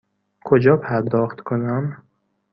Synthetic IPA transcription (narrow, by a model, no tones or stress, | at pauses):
kʰod͡ʒɒːpʰæɾd̪ɒːxt̪kʰonam